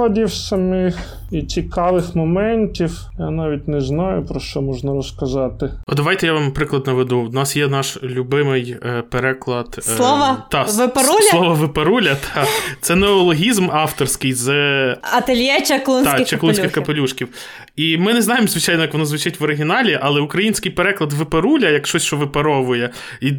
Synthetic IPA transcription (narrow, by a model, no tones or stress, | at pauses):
ɔdʲiwsɐmɪx | it͡sʲikɑʋɪxmɔmɛnʲtʲiw | janɑʋʲit̚ʲnɛznɑjʊpɾɔʃt͡ʃɔmɔʒnɐɾɔskɐzɑt̪ɪɔd̪ɐʋɑjt̪ɛjaʋɑmpɾɪklˠɐd̪nɐʋed̪unɑsjɛnɑʃlʲubɪmɪjpeɾɛklˠɐt̪slˠɔʋɐt̪ɑʋɪpɾulsʲlˠɔʋɐʋɪpeɾulʲɐt̪ʰɑt̪sɛnɛɔlˠɔɦʲizmɑft̪ɔrsʲkɪjzɐt̪ɐlʲjɛt͡ʃɐklˠɔnʲt̪ʲt͡ʃɐklˠunskʲɪxkɐpelʲuʃkʲiw | imɪnɛznɑjemzʋɪt͡ʃɑjnɔjɐkʋɔnɔzʋʊt͡ʃɪtʲʋɔɾɪɦʲinɑlʲiʔɐlˠɛukɾɐjinʲsʲkɪjpeɾɛklˠɐd̪ʋɪpeɾulʲɐjɐkʃt͡ʃɔsʲʃt͡ʃɔʋɪpɐɾɔʋʊjɛ | i